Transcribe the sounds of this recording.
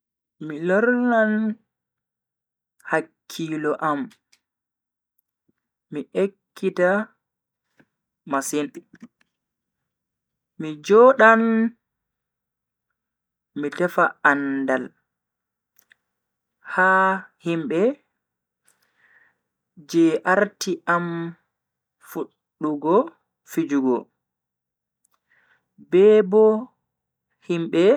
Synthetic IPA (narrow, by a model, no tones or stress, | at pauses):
milɔɾnan | hakʰːiːlɔʔam | iʔekʰːita | masin | mid͡ʒɔːɗan | mitɛfaandal | hahimbɛ | d͡ʒɛʔaɾtʰiʔam | fuɗːuɡɔ | fid͡ʒuɡɔ | bɛbɔ | himɓɛ